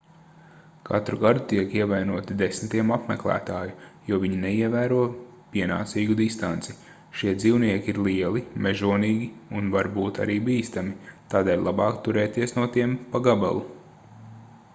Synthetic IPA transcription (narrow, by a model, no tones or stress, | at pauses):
ka̰t̪ɾuɡad̪ut̪iɛkiɛvajnuɔt̪id̪esnt̪iɛmapmɛklˠæ̰ːt̪aːjujuɔviɲinɛiɛvæːɾuɔ | pʲiɛna̰ːt̪siːɡud̪ist̪ant̪si | ʃiɛd̪ziːwniɛkʲiɾlˠiɛlˠimeʒuɔniːɡʲiunvaɾbuːt̪a̰ɾiːbiːst̪amit̪aːd̪eɛːlʲlˠabɑːkt̪uɾɛːt̪iɛsnuɔt̪iɛmpaɡaba̰lˠu